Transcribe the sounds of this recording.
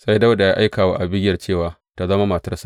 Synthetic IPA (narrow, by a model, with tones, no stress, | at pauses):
sa˦jda˦wda˨jaː˦ʔa˦jkaː˨wa̰˦ʔa˨bɪ˦ɡʲjːɐ˨rt͡ʃeː˦˨waː˨ | ta˦zɐ˦ma˦ma˨tɐ˦rsa˦˨